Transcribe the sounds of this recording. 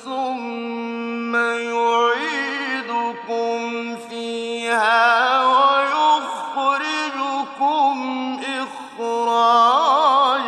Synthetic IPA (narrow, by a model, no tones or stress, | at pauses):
θʊmː | ajʊʕiːd̪ʊkʊm | fiːhaːwajʊɣtɑɾɪd͡ʒʊkʊmʔɪx | ɾɑː | d͡ʒ